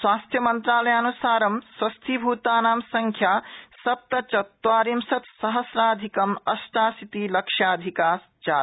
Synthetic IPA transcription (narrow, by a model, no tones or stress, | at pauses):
swaːst̪ʰjɐmənt̪ɾaːlɐjaːnusaːɾɐmswɐst̪ʰibʱut̪aːnaːmsɐŋkʰjasɐp̚t̪ɐt͡ʃɐt̪waːɾimsɐt̪sɐɦəsɾaːd̪ʱikɐmɐsʈaːsit̪ilɐkʂjad̪ʱikaːs | t͡ʃa